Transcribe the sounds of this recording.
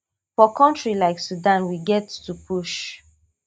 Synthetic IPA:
fɔkʰɔ̃ntɹilaɪksudãnwiɡɛtːupʰuʃ

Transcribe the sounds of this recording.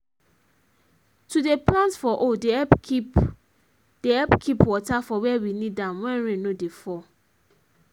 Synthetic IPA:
tudeplãntfɔʔodeɛip | d̥eɛpkʰipwɔtafɔwɛwinidãmwɛ̃nɹẽnodefɔ

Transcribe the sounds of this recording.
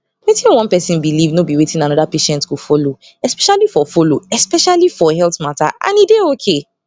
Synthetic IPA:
wetʰĩnwɔ̃npɛsĩnbilivnobiwetʰĩnanɔdapeʃɛ̃ntkofolo | ɛspɛʃalifɔfoloɛspɛʃalifɔhɛltmata̰ʔã̰nideokʰe

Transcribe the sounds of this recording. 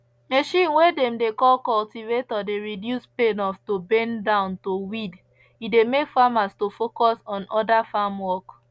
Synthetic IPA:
meʃĩnwedɛ̃mdekɔlkɔltivetɔdeɹidjuspenɔfstobẽndãʊ̃ntowid | idemekfamastofokɔsɔ̃nɔdafamwɔk

